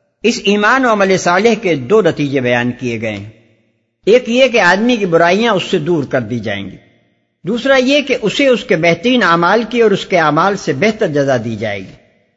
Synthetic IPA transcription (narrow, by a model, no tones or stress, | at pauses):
ɪsiːmaːnoɐməlesaːlɪɦked̪oːnɐt̪iːd͡ʒebɐjaːnkieɡɐḛ | eːkjek̬eaːd̪mikibʊɾaːijãʊsːed̪uːɾkɐɾd̪iːd͡ʒa̰ːḛ̃ːŋɡiː | d̪uːsɾajekeʔʊseʊskebɛɦt̪əɾiːnaːmaːlkiɔːɾʊskeaːmaːlsebɛɦt̪əɾd͡ʒɐzad̪iːd͡ʒa̰ːḛːɡiː